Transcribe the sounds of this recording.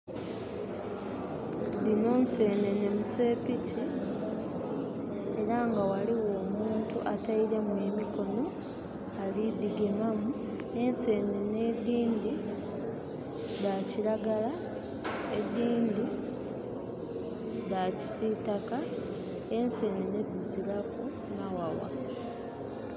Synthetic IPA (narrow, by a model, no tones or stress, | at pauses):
dino̞ːnse̞ːne̞ne̞muse̞ːpici | e̞ɾaŋɡawaliwo̞ːmuːntṵʔataiɾe̞mwe̞ːmiko̞no̞ | alid̪iɡemamu | e̞nse̞ːnene̞d̪ːiːndi | daciɾaɡala | ed̪ːiːnd̪i | daci̥sitaka | ense̞ːnene̞d̪ːiziɾaku | nawawa̰